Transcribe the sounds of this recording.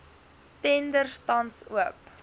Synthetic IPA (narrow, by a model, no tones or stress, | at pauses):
tɛndərstɐnsṵəp